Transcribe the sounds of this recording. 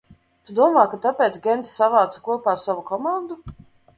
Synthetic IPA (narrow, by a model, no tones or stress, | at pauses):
t̪ud̪uɔmaːkat̪apʲɛːt̪sɡʲɛnt̪ssːavaːt̪sḁkuɔpaːsavukɔmand̪u